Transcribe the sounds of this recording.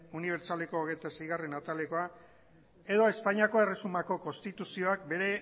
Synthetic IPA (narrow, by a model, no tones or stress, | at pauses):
uniβ̞e̞ɾt͡ʃale̞ko̞ːɣejt̪ase̞jɣ̞are̞nat̪aleko̞a | e̞ðo̞espaɲiako̞e̞re̞sumako̞ko̞st̪it̪usio̞ak̚be̞ɾe̞